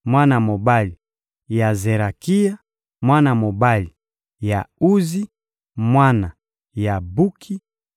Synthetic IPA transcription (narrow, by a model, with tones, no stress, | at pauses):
mwa˦na˨mo˨ba˦li˨ | ja˨ze˨ɾa˨ki˦ja˦ | mwa˦na˨mo˨ba˦li˨ | ja˨u˦zi˦ | mwa˦na˨ | ja˨bu˦kʰi˦